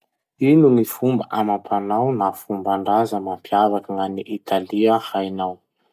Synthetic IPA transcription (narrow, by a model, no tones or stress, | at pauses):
inunifumbəʔamapʰanawnafumbaɳɖ͡ʐazəmampʰiavakəŋaniʔit̪ʰaliahajnaw